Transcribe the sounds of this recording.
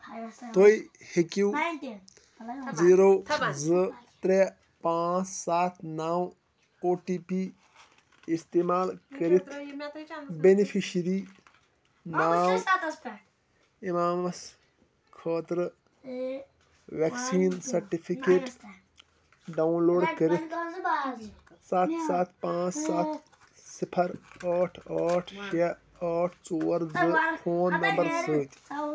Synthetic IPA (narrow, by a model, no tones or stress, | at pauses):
t̪ʰoj | hekiw | ziːɾoːzət̪ɾe | pãːt͡ssaːt̪ʰnaw | oːʈiːpi | ist̪emaːlkɐɾit̪ʰ | benipʰiʃɾiː | naːw | imaːmɐs | kʰɐːt̪ɾɨ | ʋeksiːnsɐɾʈipʰikeːʈ | ɖaunloːɖkəɾit̪ʰ | sɐt̪ʰsɐt̪ʰpãːt͡ssat̪ | sipʰɐɾaːʈʰaːʈʰʃɐ | aːʈʰt͡soːɾd̪ɨpʰoːnːɐmbɐɾsəːt̪